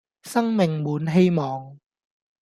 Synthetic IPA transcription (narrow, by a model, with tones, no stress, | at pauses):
sɐ˥ŋmɪ˨ŋmuː˨˥nɦe˥jmɔː˨ŋ